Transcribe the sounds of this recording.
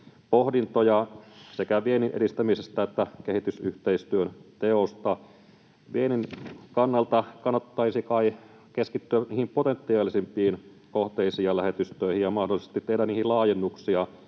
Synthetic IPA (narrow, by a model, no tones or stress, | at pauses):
pohdint̪ojɑsekæʋieninʔeɾist̪æmisest̪æet̪ːækehit̪ysyht̪eist̪yønt̪eost̪ɑ | ʋieninkɑnːɑlt̪ɑkɑnːɑt̪ːɑisikɑi | keskit̪ːyæniːhimpot̪ent̪ːiɑːlisimpˑiːn | koht̪eisiɑlæhet̪yst̪øihijjɑmɑhdolːˑise̥st̪it̪ːehdænniːhilɑːjenːuksiɑ